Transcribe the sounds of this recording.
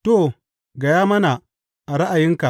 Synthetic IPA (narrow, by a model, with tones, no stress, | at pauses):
to˦˨ | ɡɐ˨jaː˦mɐ˦na˨ | ʔa˨ɽa˦ʔa˨jɪ˦ŋka˨ʔ